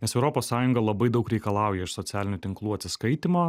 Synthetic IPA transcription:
nʲɛsɛʊɾoːpoːssɑːjʊŋɡɐlˠɐbɐɪd̪ɐʊkɾʲɛɪkɐlˠɑˑʊjɛɪʃsɔt̪sʲæːlʲɪnʲut̪ʲɪŋklˠuːɐt̪ʲsʲɪskɐɪt̪ʲimoː

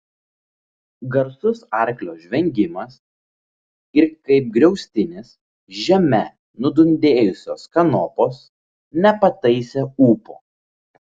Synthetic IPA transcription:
ɡɐɾsʊsɑˑɾʲklʲoːʒʲʋʲɛŋʲɡʲɪmɐs | ɪɾkɐɪp̚ɡɾʲɛʊsʲt̪ʲɪnʲɪs | ʒʲɛmʲɛ | nʊd̪ʊnʲd̪ʲeːjʊsʲoːskɐnɔpoːs | nʲɛpɐt̪ɐɪsʲeuːpo̰ː

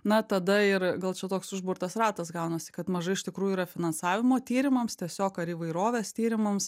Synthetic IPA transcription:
nɐt̪ɐd̪ɐɪɾɡɐlˠt͡ʃʲɛt̪oːksʊʒbʊɾt̪ɐsɾɑːt̪ɐsɡɐʊnɐsʲɪ̥kɐt̪mɐʒɐɪʃt̪ʲɪkɾuːjuiːɾɐfʲɪnɐnsɑːʋʲɪmoːt̪ʲiːɾʲɪmɐmst̪ʲiɛsʲoːkɐɾiːʋɐɪɾoːʋʲeːst̪ʲiːɾʲɪmɐms

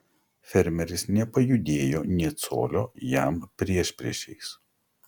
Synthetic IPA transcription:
fʲɛɾʲmʲɛɾʲɪsnʲɛpɐjʊd̪ʲeːjoːnʲɛːt̪so̰ːlʲoːjæˑmpʲɾʲiɛʃʲpʲɾʲḭɛʃʲɛɪs

